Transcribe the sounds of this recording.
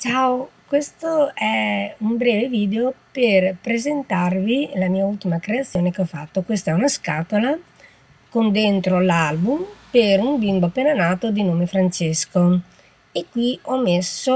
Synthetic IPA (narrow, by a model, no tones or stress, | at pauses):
t͡ʃaokwest̪oɛumbɾɛːveviːd̪eoperpɾezent̪arvilamiːault̪imakɾeat̪sːjoːnekeɔfa̰t̪ːokwest̪aɛunaskat̪ola | kond̪ent̪ɾolalbumpeɾumbimboapːeːnanaːt̪od̪inoːmefɾant͡ʃesko | ekːwiɔmeso